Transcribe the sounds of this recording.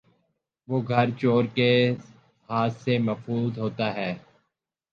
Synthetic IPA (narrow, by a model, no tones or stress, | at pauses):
ʋoːɡʱɐɾt͡ʃoːɾke | haːt̪semɐfuːzɦoːt̪aɦɛː